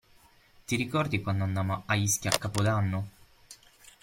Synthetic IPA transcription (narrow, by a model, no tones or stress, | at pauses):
t̪iɾikɔrd̪ikwand̪oanːaːmoaiskʲiakːapod̪anːo